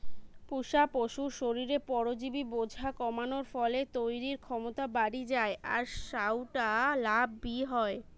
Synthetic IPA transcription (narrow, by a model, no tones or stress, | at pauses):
puʃapoʃuɾʃoɾiɾepɔɾod͡ʑibibod͡ʑʱakɔmanoɾfɔlet̪ojɾiɾkʰɔmot̪abaɽid͡ʑaeʔaɾʃawʈalabːiɦɔe